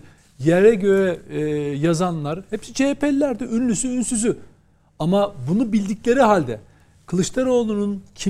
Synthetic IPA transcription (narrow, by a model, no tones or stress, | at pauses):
jɛɾɛɟø̞ɾɛjazanlˠaɾhɛpsit͡ʃʰeːpɛlʲːæɾd̪iʔynlʲysyːnsyzy | amabunubilʲd̪iclʲe̞ɾiɦalʲd̪ɛ | kʰɯlˠɯʃt̪ʰˠaɾo̞ːlˠununcʰi